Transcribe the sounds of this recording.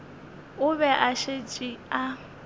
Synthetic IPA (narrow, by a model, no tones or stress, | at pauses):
ʊβɛʔaʃet͡ʃʼia